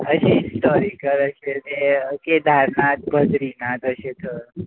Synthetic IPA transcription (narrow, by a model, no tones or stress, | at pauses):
əʃisʈɔɾikəɾəʃeneked̪ʱaɾnat̪̚bʱədɾinat̪əʃet̪o